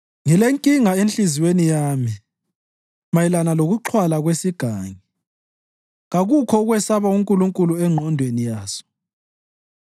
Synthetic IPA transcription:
ŋileŋkʼiŋaenɬiziwenijaːmi | majilanaloɣuǃʰwalaɣwesiɡ̥ʱaːŋi | ɣaɣukʰɔuɣwɛsaβauŋkʼuluŋkʼuluɛŋ͡ǃʱɔndʱwenijaːsɔ̥

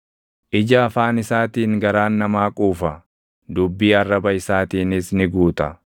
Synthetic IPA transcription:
ʔɪd͡ʒɐːfaːnɪsaːt̪iːŋɡɐɾaːnːɐmaːkʼuːfɐ | d̪ʊbːiːɐrːɐbɐɪsaːt̪iːnɪsnɪɡuːt̪ɐ

